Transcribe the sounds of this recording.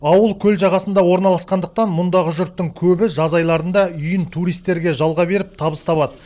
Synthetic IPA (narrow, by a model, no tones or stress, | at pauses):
ɑwəlˠkʲʰɵlʒɑʁɑsənd̪ɑwo̞ɾnɑlˠɑsqɑnd̪əq̚t̪ɑnmʊnd̪ɑʁəʒʏɾt̪ːɪŋkʲʰɵbɪʒɑzɑjlˠɑɾənd̪ɑʏjɪnt̪ʰuɾijst̪ːe̞ɾɡʲe̞ʒɑlˠʁɑbe̞ɾɪp̚t̪ʰɑbəst̪ʰɑpɑd̪ə